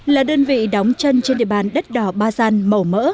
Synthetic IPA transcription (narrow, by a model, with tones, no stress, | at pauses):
laː˨˩ɗəː˧nvḭ˧˨ɗa˨˦wŋ͡mt͡ɕə˧nt͡ɕɛ˧nɗḭ˧˨ɓaː˨˩nɗə˦˥t̚ɗɔ˧˩ɓaː˧zaː˧nmə˨˩wmə̰ː˧˥